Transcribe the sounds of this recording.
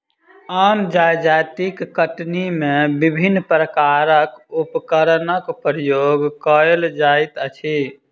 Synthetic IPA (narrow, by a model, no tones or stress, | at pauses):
ənd͡ʒajd͡ʒat̪ikːəʈnimebibʱinːpɾəkaɾəkupkəɾənəkpɾəjoɡkəeld͡ʒajt̪ət͡ʃʰi